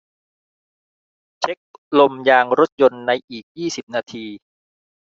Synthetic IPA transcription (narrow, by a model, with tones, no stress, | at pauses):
t͡ɕʰe˦˥k̚lo˧mjaː˧ŋɾo˦˥t̪̚jo˧nːa˧jʔiː˨˩k̚jiː˥˩si˨˩p̚naː˧t̪ʰiː˧